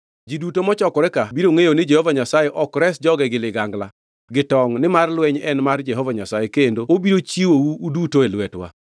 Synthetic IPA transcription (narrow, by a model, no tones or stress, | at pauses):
d͡ʒidutomɔt͡ʃɔkɔɾɛkabiɾoŋejonɪd͡ʒɛhovaɲasajeʔɔkɾɛsd͡ʒɔɡɛɡɪlɪɡaŋɡla | ɡɪtɔŋnɪmarlwɛɲɛnmard͡ʒɛɦovaɲasajekendoobiɾot͡ʃiwowuːdutoelwɛtwa̰